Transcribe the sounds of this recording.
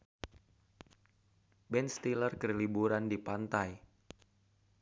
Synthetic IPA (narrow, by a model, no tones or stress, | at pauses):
bɛnst̪ilərkərlibuɾandipant̪aj